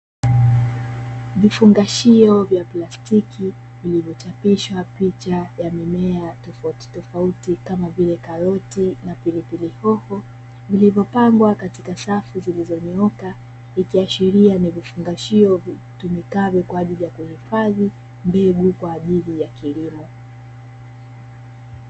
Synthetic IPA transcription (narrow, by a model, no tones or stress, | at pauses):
vifuŋɡaʃiɔvjaplastiki | vilivjɔt͡ʃapiʃwapit͡ʃajamimɛatɔfati̥tɔfautikamavilɛkaɾɔtinapilipilihɔhɔ | vilivjɔpaŋɡwakatikasafuzilizɔniɔka | ikiaʃiɾianivifuŋɡaʃiɔvi | tumikavɛkwaːʄilijakuhifaði | mbɛɡukwaːʄilijakilimɔ